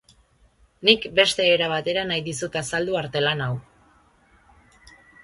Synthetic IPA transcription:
nikbe̞st̪e̞ːɾaβat̪e̞ɾanajðisut̪asald̪uaɾt̪e̞lanaw

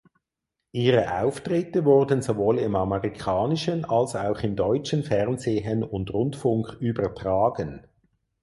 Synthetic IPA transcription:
ʔiːʁəʔa̰ʊftʁɪtəvʊʁdənzovoːlɪmɑməʁikʰɑːnɪʃənɑlsaʊχɪmdɔʏt͡ʃənfɛʁnzeːɦənʊndʁʊndfʊŋkyːbɐtʁ̥aːɡ̥ən

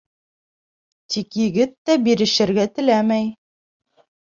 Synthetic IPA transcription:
t̪ʰikjɘ̆ɡɘt̪ːæbiɾɘ̆ʃɘ̆ɾɡæt̪ɘ̆læmæj

